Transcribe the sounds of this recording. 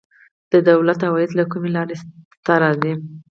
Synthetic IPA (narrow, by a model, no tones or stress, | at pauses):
d̪̥əd̪awlat̪hawɑjɪd̪lakumelɑɾe | t̪aɾad̪i